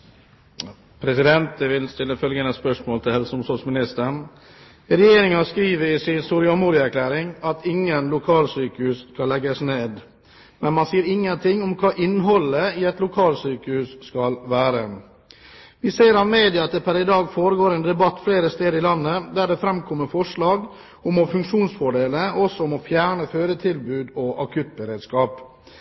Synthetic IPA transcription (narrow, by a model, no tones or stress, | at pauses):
pʰɾɛsɪd̪ɛnt̪əʋɪlst̪ɪlːəfœlɡənəspœʂmoːlt̪ʰɪlhɛlsəʊmsɔsmɪnɪst̪əɳ | ɾɛjeːɾɪŋɑskɾiːʋəɾiːsɪsuːɾɪɔmuːɾɪæɾkʰlæːɾɪŋɑt̪ɪŋːənlʊkʰɑːlsyːkəhʉːskɑlːɛɡəsneːd̪ | mɛnmɑnsiːəɾɪŋːənt̪ʰɪŋːʊmkʰɑːʔɪnːɦɔlːəɪɛt̪lʊkʰɑːlsyːkəʉsskɑlʋæːɾə | ʋɪseːəɾɑʋmeːd̪ɪɑɑt̪̚d̪ɛpʰæɾɪd̪ɑːɡfoːɾəɡoːɾɛːnd̪ɛbɑt̪ːfleːɾəst̪eːd̪əɾɪlɑnːəd̪æɖɛfɾɛmkʰɔmːəfɔʂɭɑːɡ | ʊmɔfʉŋkʂuːnsfɔɖeːləɔsɔʊmɔfjæːɳəføːɾət̪ʰɪlbʉːd̪ɔʔɑkʰʉt̪̚bəɾeːd̪skɑːp